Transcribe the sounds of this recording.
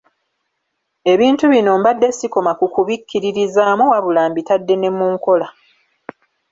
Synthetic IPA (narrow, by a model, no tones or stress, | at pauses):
e̞βiːntuβino̞ːmbadːe̞siko̞makukuβikʰʲːiɾiɾizaːmowaβulaːmbitadːe̞ne̞mːuːŋko̞la